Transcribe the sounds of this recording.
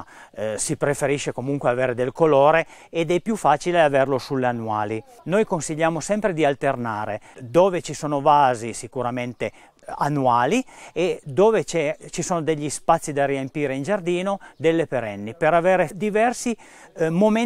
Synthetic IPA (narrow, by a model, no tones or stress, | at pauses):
sipɾefeɾiʃːekomuŋkweaveːɾed̪elkoloːɾeːd̪ɛpːjufːaːt͡ʃileaverlosulːeanːwaːli | nojkonsiʎːaːmosɛmpɾed̪ialt̪ernaːɾḛd̪oːvet͡ʃisoːnovaːzisikuɾament̪e | a̰nːuaːlied̪oːvet͡ʃɛt͡ʃisoːnod̪eʎːispat̪sːid̪ariempiːɾeind͡ʒard̪iːnod̪elːepeɾɛnːipeɾaveːɾed̪ivɛrsi | mome